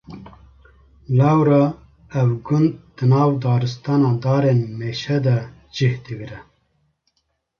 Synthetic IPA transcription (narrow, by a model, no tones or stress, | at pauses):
lawɾɑ | ɛwɡʊnd̪̚d̪̥ɨnɑːwd̪ɑːɾɨst̪ɑːnɑːd̪ɑːɾeːnmeːʃɛd̪ɛ | d͡ʒihd̪ɨɡɾɛ